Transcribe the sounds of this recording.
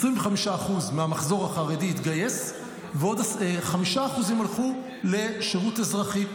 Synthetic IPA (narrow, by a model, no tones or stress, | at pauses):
sʁimveχamiʃaːχuzmeamaχzo̞ʁaχaʁedihit̪ɡajes | veodaseχamiʃaːχuzimalχu | le̞ʃeʁutezʁaχi